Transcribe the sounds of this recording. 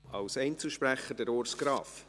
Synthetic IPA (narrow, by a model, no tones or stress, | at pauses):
ɑ̰lsɛɪnt͡səʃpɾæχəɾdɛɾoːɾsɡ̥ɾɑːf